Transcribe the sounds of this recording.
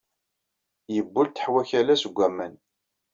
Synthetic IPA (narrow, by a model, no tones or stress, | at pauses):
jəbːʊlt̪ːə̥ħwæçælæsəɡʷːæmːæn